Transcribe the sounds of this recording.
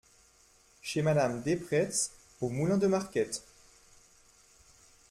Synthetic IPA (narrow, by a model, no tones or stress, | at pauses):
ʃemad̪amd̪epχɛs | omulɛ̃d̪əmaʁkʲɛt̪